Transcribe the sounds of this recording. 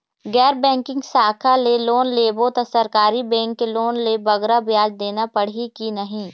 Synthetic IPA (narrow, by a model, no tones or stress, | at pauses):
ɡɛːɾbɛ̃ːŋkɪ̃ŋɡsaːkʰaleloːnleːbot̪əsəɾkaːɾibɛ̃ːŋkːeloːnlebɐɡɾabjaːd͡ʒd̪eːnapɐɽ̤ikinɐɦĩː